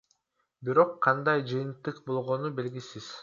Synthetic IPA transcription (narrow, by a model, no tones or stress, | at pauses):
biɾo̞qʰːɑnd̪ɑjd͡ʒɯjɯnt̪ːɯqbo̞lˠʁo̞nube̞lɡisiz̥